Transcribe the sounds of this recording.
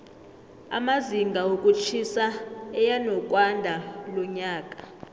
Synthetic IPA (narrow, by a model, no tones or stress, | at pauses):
a̰maziŋɡʱaokʼut͡ʃʰisaɛjanɔkʼwandʱalɔɲaːkʼa